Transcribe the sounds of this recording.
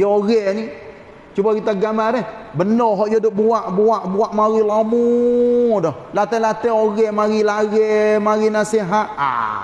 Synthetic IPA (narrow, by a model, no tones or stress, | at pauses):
jaoɣɛni | t͡ʃubakit̪aɡamaɾɛh | bənɔɦɔʔjodoʔbuaʔbuaʔbuaʔmaɣilamu | dɔh | lat̪ɛlat̪ɛoɣɛmaɣilaɣɛmaɣinasiɦat̪̚a̰